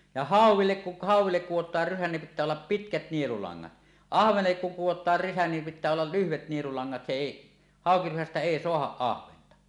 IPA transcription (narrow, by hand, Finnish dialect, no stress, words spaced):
jɑ hɑˑuwˑilːek ku hɑˑuwˑilːek kuwotˑɑːr rysæ nim pitˑæː olːɑp pitkæt nielulɑŋːɑt ɑhʋenelːek kuŋ kuwotˑɑːr rysæ nim pitˑæː olːɑl lyhʋet nielulɑŋːɑt se eˑi hɑˑokirysæstæ eˑi soɑhɑʔ ʔɑhʋentɑ